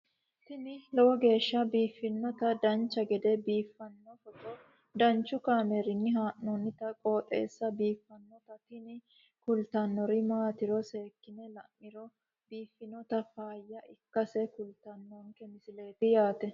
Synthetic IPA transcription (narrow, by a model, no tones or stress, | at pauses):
t̪ɪnɪlɔwɔɡe̞ːʃːɐbiːfːɪnːɔt̪ɐd̪ɐnt͡ʃːɐɡɛd̪ɛbiːfːɐnːɔfɔtɔ | d̪ɐnt͡ʃːʊkaːmeɾɪnːɪɦaːnːɔnːɪt̪ɐkʼoːt̪ʼḛːsːɐbiːfːɐnːɔt̪ɐt̪ɪnɪ | kʊlt̪ɐnːɔɾɪmaːt̪ɪɾɔse̞ːkːɪnɛlɐmːɪɾɔ | biːfːɪnɔt̪ɐfaːjːɐʔɪkːɐsɛkʊlt̪ɐnːɔŋkɛmɪsɪle̞ːt̪ɪjaːt̪ɛ